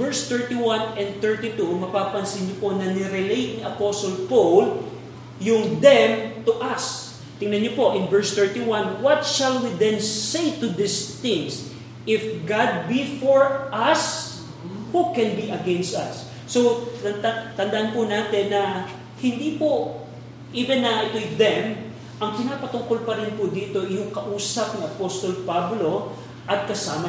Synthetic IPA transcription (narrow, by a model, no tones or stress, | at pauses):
vɛɹst̪ɛɹt̪iwɐ̃nɛ̃nd̪̚t̪ɛɹt̪it̪umɐpaːpɐnsɪnɲoponɐnɪɾɪlejt̪̚niʔɐposolpowl | jʊŋd̪ɛmt̪ʊʔɐs | t̪ɪŋnɐɲopo̞ʔɪnvɛɹst̪ɛɹt̪iwɐ̃nwɐt̪̚ʃɐlwid̪ɛ̃nsejt̪ʊd̪ɪst̪ɪ̃ŋs | ʔɪfɡad̪̚bifɔɹʔɐs | hukɛ̃nbiʔɐɡɛ̃nst̪ɐ̰sː | ow̪ɐnd̪at̪ɐnd̪ɐʔanpʊnaːt̪ɛnːɐ | hɪnd̪iːpo | ʔiːvɛ̃nːɐʔɪt̪ojðɛm | ʔɐŋkɪnaːpɐt̪ʊŋkolpɐɾɪnpʊd̪iːt̪o̞ʔjʊŋkɐʔuːsɐp̚niɐpost̪olpablo̞ | ʔɐt̪̚kɐsaːmɐ